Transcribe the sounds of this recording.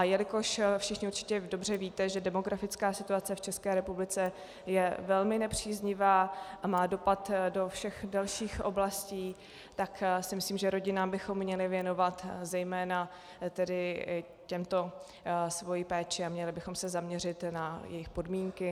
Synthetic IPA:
ʔajɛlɪko̞ʃfʃɪxɲɪurt͡ʃɪ̥cɛdo̞br̝ɛviːt̪ɛʒɛdɛmo̞ɡɾafɪt͡skaːsɪt̪uat͡sɛft͡ʃɛskɛːɾɛpublɪt͡sɛ | jɛvɛlmɪnɛpr̝̥iːzɲɪvaːʔamaːdo̞pat̪do̞fʃɛxdalʃiːxʔo̞̰blasciː | t̪aksɪmɪsliːmʒɛɾo̞ɟɪnaːmbɪxo̞mːɲɛlɪvjɛno̞vat̪zɛjmɛːna | t̪ɛdɪ | cɛmt̪o̞ | svo̞jiːpɛːt͡ʃɪamɲɛlɪbɪxo̞msɛzamɲɛr̝ɪt̪najɛ̰jɪxpo̞dmiːŋkɪ

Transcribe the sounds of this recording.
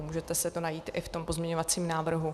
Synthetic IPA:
muːʒɛt̪ɛsɛt̪onajiːt̪ʔɪft̪o̞mpozmɲɛɲo̞vat͡siːmnaːvr̩ɦu

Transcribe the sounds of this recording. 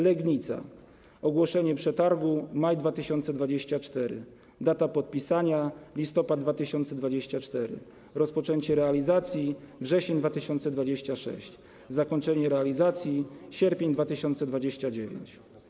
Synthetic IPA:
lɛɡɲit̪sa̰ | ɔɡwɔʂɛɲɛpʂɛt̪aɾɡumajd̪vat̪ɘɕɔnt̪sɛd̪vad͡ʑeɕt͡ɕat͡ʂt̪ɛɾɘ̰ | d̪at̪apɔt̪̚pʲisaɲalʲist̪ɔpad̪d̪vat̪ɘɕɔnt̪sɛd̪vad͡ʑeɕt͡ɕat͡ʂt̪ɛɾɘ̰ | ɾɔspɔt͡ʂɛɲt͡ɕɛɾɛalʲizat̪sʲjivʐɛɕɛɲd̪vat̪ɘɕɔnt̪sɛd̪vad͡ʑeɕt͡ɕaʂɛ̰ɕt͡ɕ | zakɔɲt͡ʂɛɲɛɾɛalʲizat̪sʲjiɕɛɾpʲjeɲd̪vat̪ɘɕɔnt̪sɛd̪vad͡ʑeɕt͡ɕad͡ʑevʲjḛɲt͡ɕ

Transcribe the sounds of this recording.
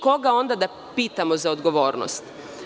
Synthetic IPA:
ko̞ɡao̞nd̪ad̪a | piːt̪amozaod̪ɡoʋo̞ːɾno̰st̪

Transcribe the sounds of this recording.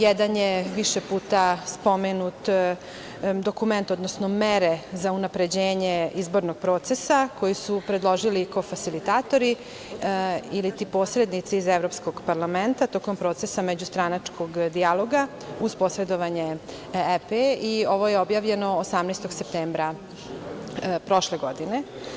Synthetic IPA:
jɛd̪anjeʋiʃepuːt̪aspo̞menut̪ | d̪o̞kume̞nt̪o̞d̪nosno̞meɾezaunapɾe̞d͡ʑeːɲeizbo̞ɾnoɡ̥̚pɾo̞ːt̪sesako̞jisupɾed̪lˠo̞ʒiliko̞fasilit̪aːt̪o̞ɾi | ilit̪ipo̞ːsɾe̞d̪nit̪seizevɾopskoɡpaɾlament̪at̪o̞ko̞mpɾo̞t̪sesamed͡ʑust̪ɾanat͡ʂkʰo̞ɡd̪ijalˠo̞ɡa | uzpo̞sɾed̪oʋaɲe | epeio̞ʋo̞jeobjaːʋʎe̞no̞ːsamnest̪oɡsep̚t̪eːmbɾa | pɾo̞ʃle̞ɡod̪ine

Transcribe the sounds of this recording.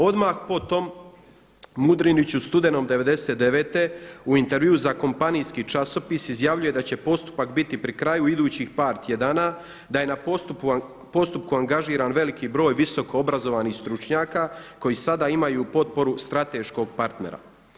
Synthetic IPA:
o̞d̪maxpo̞t̪o̞m | mud̪ɾinit͡ɕust̪ud̪e̞no̞md̪e̞ʋe̞d̪e̞set̪d̪e̞ʋe̞ːt̪e̞uint̪e̞ɾʋjiuzako̞mpanijskit͡ʃaso̞pisizjaːʋʎuje̞d̪at͡ɕe̞po̞st̪u̥pakbit̪ipɾikɾajuid̪uːt͡ɕixpaːɾt̪ʰje̞d̪aːna | d̪aje̞naot̪u | po̞st̪up̚kuaŋɡaʒiːɾanʋe̞likibɾo̞ːjʋiso̞ko̞obɾazo̞ʋanixst̪ɾut͡ʃɲaːkako̞jisad̪aimajupo̞t̪̚po̞ɾust̪ɾat̪e̞ːʃko̞ɡ̚paɾt̪ne̞̰ɾa̰

